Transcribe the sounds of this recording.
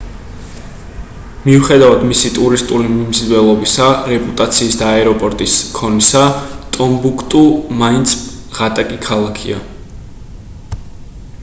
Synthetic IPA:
miuχɛd̪avad̪misit̪ʼuɾist̪ʼulimimzd̪vɛlˠɔbisaɾɛpʼut̪ʼat̪sʰiːsd̪aɛɾɔpʼɔɾt̪ʼiskʰɔnisat̪ʼɔmbukʰt̪ʼumaint̪sʰ | ʁat̪ʼakʼikʰalˠakʰḭa̰

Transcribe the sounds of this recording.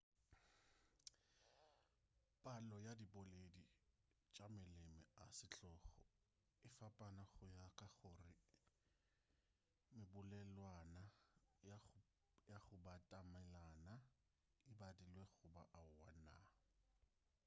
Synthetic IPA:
pʼalɔjadibɔledi | t͡ʃʼamɪlemɛasɪt͡ɬʼɔːχɔ | ɪfapʼanaχʊjakʼaχʊrɪ | mɪbʊlɛlwanaj | jaχʊbatʼamɛlana | ɪbadilwɛχʊba̰ʔaʊwana̰

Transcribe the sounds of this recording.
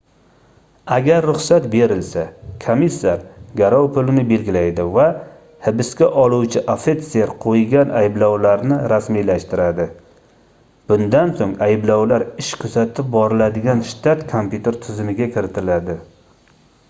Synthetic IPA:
aɡʲaɾːʊχsat̪be̞ɾɪlsakʰomisːaɾɡʲaɾawpʰʊlɪnɪbe̞lɡʲɪlajd̪ɪva | hɪbɪskʲaʔɒlˠuwt͡ʃʰɪʔafet̪seɾqʰojɡʲanʔajɪblɒwlaɾnɪɾasmijlaʃt̪ɪɾad̪ɪ | b̥ʊnd̪ansoŋajɪblawlaɾɪʃkʲʰɵzat̪ʰɪp̚bɒɾɪlad̪ɪɡʲanʃt̪ʰat̪kʰompʲjut̪ʰe̞ɾt̪ʰɪzɪmɪɡʲakʲʰɪɾɪt̪ʰɪlad̪ɪ

